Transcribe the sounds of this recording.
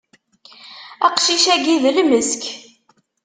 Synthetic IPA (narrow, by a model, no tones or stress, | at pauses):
æ̰qʃiʃæɡiðlməsk